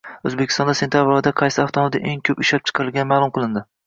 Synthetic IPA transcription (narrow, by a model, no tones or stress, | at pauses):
ɵzbekʲɪ̥st̪ɒnd̪asent̪jabɾɒd̪aqʰɑjsɪaft̪ʰɒmmd̪ɪʔeŋkʲʰɵpɪʃlapt͡ʃʰqʰɑɾɪlɡʲanɪmaːlˠʊmqʰɨlˠɪnd̪ɪ